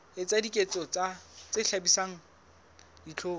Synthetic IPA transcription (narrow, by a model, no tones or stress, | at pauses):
ɪt͡sʼadikʼet͡sʼɔt͡sat͡sɪɬabisaŋ̩ | dit͡ɬʰoː